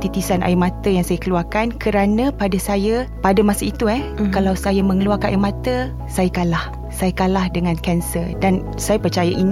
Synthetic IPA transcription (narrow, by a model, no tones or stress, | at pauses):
t̪it̪isanʔa̰jimãt̪əjaŋsajakəluarkankəɾanə̃padasajapadamãsəit̪uɛkalawsajamə̃ŋəluarkaa̰jʔmãt̪ə | sajakalah | sajakalahdəŋãnkɛnsərdan | sajapərt͡ʃajaʔin